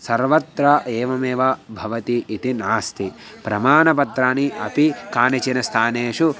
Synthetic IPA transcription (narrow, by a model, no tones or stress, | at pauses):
sɐɾʋɐt̪ɾɐʔeːʋɐmeːʋɐbʱɐʋɐt̪iʔit̪inaːst̪ʰi | pɾɐmaːnɐpɐt̪ɾaːniʔɐpikaːnɐt͡ʃinɐst̪ʰaːneːʃu